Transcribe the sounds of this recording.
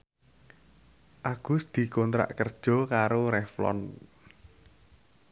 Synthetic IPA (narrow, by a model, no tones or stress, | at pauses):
ʔaɡ̥ʊ̤sd̪̥i̤kont̪ɾa̰ʔkərd̥ʒ̥ɔ̤kaɾoɾɛflɔ̰n